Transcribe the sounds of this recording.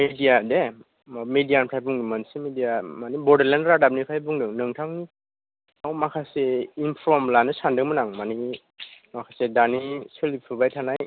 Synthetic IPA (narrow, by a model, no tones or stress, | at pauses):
midiade | mamedijanpʰajbuŋdimansimidijamanibɔdeɾlanɾadabnipʰajbuŋdɯŋnɯŋtʰaŋni | awmakʰaseinpʰɾɔmlanɯsandɯŋmɯnaŋmani | makʰasedaniselipʰɯbajtʰanaj